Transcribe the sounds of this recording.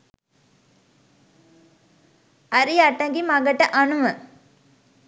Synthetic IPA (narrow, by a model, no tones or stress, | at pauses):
ɐɾiɐʈːɐŋɡimɐɡɐʈːɐʔɐɳumɐ